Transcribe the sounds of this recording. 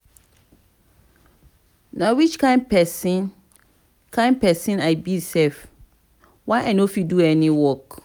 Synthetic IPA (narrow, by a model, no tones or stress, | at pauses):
nãwit͡ʃkʰãɪ̃npɛsi | kʰãɪ̃n̚pɛsĩnaɪbiisɛlf | waɪʔanofiduɛnĩwɔk